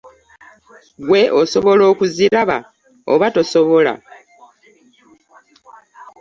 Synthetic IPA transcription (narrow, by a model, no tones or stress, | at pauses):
ɡwe̞ʔoso̞βo̞lo̞ːkuziɾaβa̰ | o̰βato̞soβo̞la̰